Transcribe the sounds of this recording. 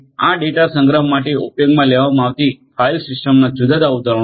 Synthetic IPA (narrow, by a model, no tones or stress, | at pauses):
aɖeʈasə̃ŋɡɾəɦmaʈeupjoɡmãleʋamãːʋt̪ifʰailsɪsʈəmnad͡ʒud̪ʱad̪aud̪əɾ